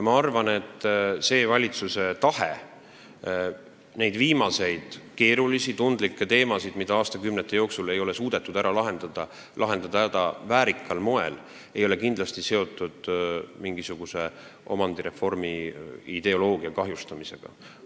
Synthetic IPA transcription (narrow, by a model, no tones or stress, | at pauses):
jɑmɑɑrvɑne̞t̪ːˑse̞ːvɑlʲit̪suse̞t̪ɑhḛ | ne̞jd̪viːmɑse̞jd̪̥ke̞ːɾulisit̪und̪̥likːˑet̪e̞ːmɑsid̪̥mid̪̥ɑɑːst̪ɑkymnet̪ːˑe̞jo̞ːksule̞jo̞le̞suːd̪̥e̞t̪ːˑud̪æɾʔɑlɑɦe̞nd̪̥ɑd̪̥ɑ | lʔɑɦe̞nd̪̥ɑd̪̥ɑd̪̥ɑ̰væːɾikːˑɑlmo̞e̞l | e̞jo̞lekind̪lɑst̪ise̞o̞t̪ːˑud̪̥miŋɡisuɡ̥use̞ʔo̞̰mɑnd̪̥iɾe̞fo̞rmiid̪̥e̞o̞lo̞ːɡ̥iɑkɑɦjust̪ɑmise̞ɡ̥ɑ̰